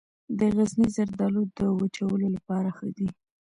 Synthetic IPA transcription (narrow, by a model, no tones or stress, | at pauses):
d̪əɣaznizaɾd̪ɑlud̪əwat͡ʃawəlolapɑɾaxəd̪i